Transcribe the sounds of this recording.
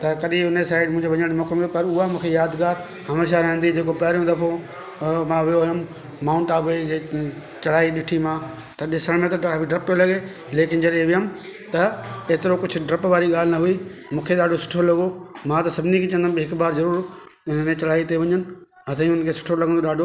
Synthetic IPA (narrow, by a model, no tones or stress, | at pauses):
t̪ɐkɐɗĩʊnesaːɪɖmʊ̃ɦɪ̃ɲd͡ʑeʋɐɲəɽ̃mɔːkmjopɐɾʊɦamũːkʰejaːd̪ɡaːɾ | hɐmeːʃ̬aɾɐɦə̃n̆d̪id͡ʑeːkopɐːɾijõd̪ɐfʰo | mãːʋɪjoɦʊjəm | maːʊ̃ɳʈaːbed͡ʑeː | t͡ɕɐɽ̤aːiɗɪʈʰimãː | t̪ɐɗsɐɽ̃mẽt̪ɐbiɖɾɪpːijolɐɡe | leːkɪnd͡ʑɐɗẽʋɪjəm | t̪ɐeːt̪ɪɾokʊd͡ʑʰʱʊɖɾɐpʋaːɾiɠaːl̤ɪnɐɦʊimũːkʰeɗaːɖʱosʊ̥ʈʰolɐɡomãt̪ɐsɐbʱɪnikʰet͡ɕɐ̃nd̪abɦɪkbaːɾzɐɾuːɾ | ʊnnet͡ɕɐlaːit̪eʋɐɲənɪ̆ | ɦɐt̪ʰə̃ĩʊnəkʰesʊ̥ʈʰolɐɡʱə̃nd̪oɗaːɖʱo